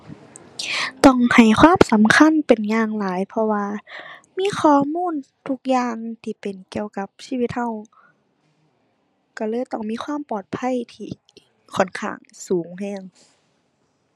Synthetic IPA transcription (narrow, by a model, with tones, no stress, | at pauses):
t̪ɔ˧˩ŋha˨˩jkʰwaː˧˥˨msa˨˦mkʰa˧˥˨npe˨˩nɲaː˧˩ŋlaː˨˦jpʰɔ˧waː˧miː˧˥˨xʰɔː˧˩muː˧˥˨n | t̪ʰu˧k̚jaː˧˨ŋt̪ʰiː˧˩pe˨˩nki˧˩˨əwka˧˦p̚siː˧˨wi˧˦t̪̚ha˧˩w | ka˧˩lɤː˧˥˨jt̪ɔ˧˩ŋmiː˧˥˨kʰwaː˧˥˨mpɔː˨˩t̪̚pʰa˧˥˨jt̪ʰiː˧˩ | kʰɔ˧˩˨nkʰa̰ː˧˩ŋsuː˩˦ŋhɛː˧˩˨ŋ